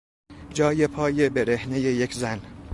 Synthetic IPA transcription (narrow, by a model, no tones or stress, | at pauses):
d͡ʒɒːje̞pʰɒːje̞beɾe̞hne̞jejecʰzæn